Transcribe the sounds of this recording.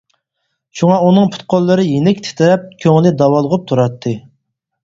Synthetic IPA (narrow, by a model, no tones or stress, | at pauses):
ʃuŋɑunɨŋpʰʊ̥t̪̚qʰolˠːɨɾɨjenɪkʲt̪ʰɪ̥t̪ʰɪɾɛp̚kʲʰøŋlɪd̪ɑwɑlˠəʁʊp̚t̪ʰuɾɑt̪ʰːɨ